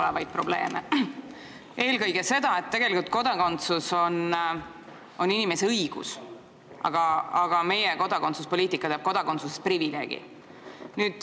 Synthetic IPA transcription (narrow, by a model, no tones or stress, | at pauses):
olevɑjd̪̥̚pro̞ble̞̰ːme | e̞ːlkɤjɡe̞se̞d̪̥ɑe̞t̪ːe̞ɡ̥e̞likult̪̚ko̞d̪̥ɑko̞nt̪suso̞n | o̞ninime̞seɤjɡ̥ṵs | ʔɑ̰ɡ̥ɑɑɡ̥ɑme̞jeko̞d̪̥ɑko̞nt̪suspo̞lʲiːt̪ˑikːˑɑt̪eɑb̚ko̞d̪̥ɑko̞nt̪susesprivile̞̰ːɡ̥ḭ | nyːd̪̥